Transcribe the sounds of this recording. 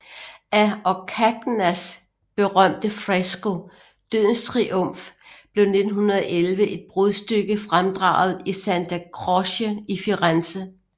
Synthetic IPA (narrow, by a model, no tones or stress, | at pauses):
ʔæɒ̽kʰæɡ̥næs | b̥e̝ʁɶm̰d̥əfʁesɡ̥o̝ | d̥øð̰ˠn̩st͡sʰʁiʔɔ̽m̰fb̥le̝ʊne̝d̥n̩ɦunɐðˠɒʔelʋəʔe̝d̥̚b̥ʁoðˠsd̥øɡ̥əfʁamd̥ʁɑ̰̈ːʊð̩ˠisænd̥ʰækʰʁɔɕəifiʁansə